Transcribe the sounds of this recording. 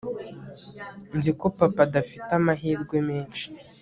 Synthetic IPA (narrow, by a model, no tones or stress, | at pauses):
nziko̞papadafitamaɦiːɾɡwemeːnʃi̥